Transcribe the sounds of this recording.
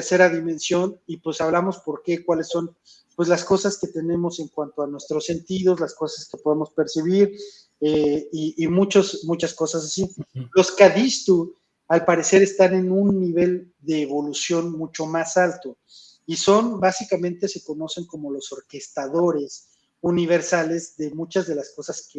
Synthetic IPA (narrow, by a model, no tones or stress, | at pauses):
ɾse̞ɾaðimẽ̞nsjo̞nipwe̞saβlamo̞spo̞ɾke̞kwalesːo̞n | pwezlasko̞saske̞t̪e̞nẽ̞mo̞se̞ŋkwant̪oanwe̞st̪ɾo̞sːe̞nt̪iðo̞zlasko̞saskepo̞ðemo̞spe̞ɾsiβ̞iɾ | eiːmut͡ʃosmut͡ʃasko̞sas̬asilo̞skaðist̪u | alpaɾe̞se̞ɾe̞st̪ane̞nũnːiβ̞e̞l | ðe̞ːβo̞lusjo̞nmut͡ʃo̞masalt̪o̞ | iso̞nbasikamẽnt̪e̞se̞ko̞no̞seŋko̞mo̞lo̞so̞ɾke̞st̪aðo̞ɾe̞s | uniβ̞e̞ɾsale̞zðe̞mut͡ʃazðe̞lasko̞saske